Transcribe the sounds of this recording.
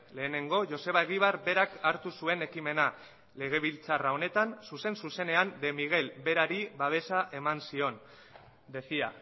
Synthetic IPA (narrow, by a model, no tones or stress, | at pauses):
le̞ːne̞ŋɡo̞ʝo̞se̞β̞aeɣ̞iβaɾbe̞ɾakaɾt̪usue̞ne̞kime̞na | le̞ɣ̞e̞βilt͡sarao̞ne̞t̪ansuse̞nsuse̞ne̞and̪e̞miɣ̞e̞lbe̞ɾaɾiβaβ̞e̞saʔe̞mansio̞n | d̪e̞sia